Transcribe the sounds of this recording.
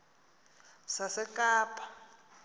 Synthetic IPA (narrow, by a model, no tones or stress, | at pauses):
sasɛkʼaːpʰʼḁ